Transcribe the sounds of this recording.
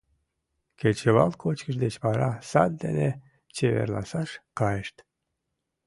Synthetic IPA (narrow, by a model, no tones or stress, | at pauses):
ket͡ɕeβɑlkʰot͡ɕkəʃd̪et͡ɕpɑɾɑsɑt̪̚d̪ḛne | t͡ɕeβḛrlɑ̰sɑʃkɑjəʃt̪